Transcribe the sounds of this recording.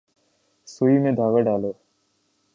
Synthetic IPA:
suimẽd̪ʱaːɡaɖaːloː

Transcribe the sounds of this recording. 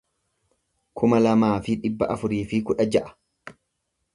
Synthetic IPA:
kʰʊmɐlɐmaːfɪᶑɪbːɐʔɐfʊɾiːfɪkʊᶑɐd͡ʒɐʔɐ̥

